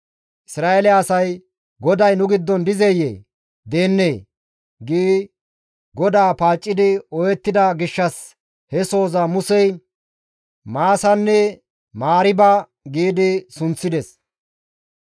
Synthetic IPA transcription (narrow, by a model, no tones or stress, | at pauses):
ʔɪsɾaːʔelɛːsɐj | ɡɔd̪ɐjnʊɡɪd̪ːɔnd̪ɪzɛjḛː | d̪e̞ːnːeː | ɡiː | ɡɔd̪aːpaːt͡ʃʼːɪd̪ɪɔjɛt̪ːɪd̪ɐɡɪʃːɐs | hɛso̞ːzɐmʊsɛj | maːsɐnːɛ | maːɾɪbɐ | ɡiːd̪ɪsʊnt͡sːɪd̪ɛs